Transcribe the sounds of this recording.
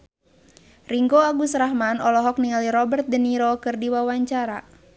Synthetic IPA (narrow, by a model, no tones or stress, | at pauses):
riŋɡoaɡusɾaɦmanɔlɔɦɔk̚niŋaliɾɔbərt̪̚dəniɾɔkɨrdiwawaɲt͡ʃaɾa